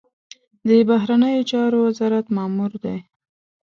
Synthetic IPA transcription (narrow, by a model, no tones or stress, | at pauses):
d̪əbaɦɾanəjot͡ʃɑɾowazɑɾat̪mɑmuɾd̪aj